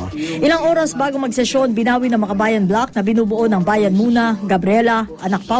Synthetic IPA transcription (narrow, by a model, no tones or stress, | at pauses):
ʔɪlaŋʔo̞ːɾɐsbaːɡoŋmɐɡ̚sɛʃo̞nbɪnaːwinɐŋmɐkɐbaːjɐnblak̚nɐbɪnuːbʊʔo̞nɐŋbaːjɐnmuːnɐɡɐbɾɪɛlɐʔɐnɐk̚pa